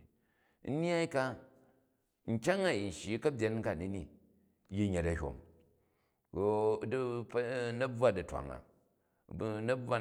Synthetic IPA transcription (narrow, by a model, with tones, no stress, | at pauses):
n̩˦n˦a˦i˦ka˦ | ŋ̩˨kʲa˦ŋa˨ji˨n̩˨ʃi˨˦kɐ˦bʲje˨˦nŋ̩ka˨ni˦ni˦˨ | ji˦ɲe˨tɐ˨hʲo̰˨m˦ | dpnɐ˦b͡va˦dɐ˨tʷa̰˨ŋa̰˨˦ | nɐ˦b͡va˦